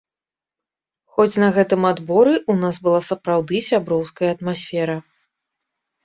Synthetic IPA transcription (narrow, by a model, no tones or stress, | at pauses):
xɔt͡sʲnɐɣɛt̪ɨmad̪bɔɾɨʔunasbɨlˠasɐpɾawd̪ɨsʲabɾɔwskɐjɐːt̪masʲfʲɛɾɐ